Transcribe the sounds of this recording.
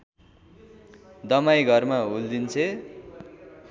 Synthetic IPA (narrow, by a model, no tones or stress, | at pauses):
d̪ʌmajɡʱʌrmauld̪int͡sʰe